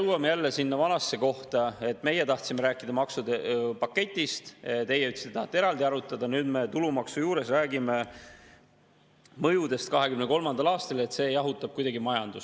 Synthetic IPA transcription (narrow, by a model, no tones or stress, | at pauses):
wɑmejælːesinːɑvɑnɑsːe̞ko̞ht̪ɑe̞t̪ːˑme̞je̞t̪ɑht̪simeɾæːkːˑid̪ɑmɑksud̪epɑkːe̞t̪ʲːˑist̪t̪e̞jeyt̪si̥t̪ːeɑht̪ːeeɾɑld̪iɑɾut̪ːˑɑd̪̥ɑnyːd̪me̞t̪ulumɑksujuːɾesræːɡime̞ | mɤjud̪e̞st̪̚kɑɦe̞kymneko̞lmɑnd̪̥ɑlɑːst̪ɑle̞t̪se̞jɑɦut̪ːˑɑb̥̚kujd̪ɑɡimɑjɑnd̪̥us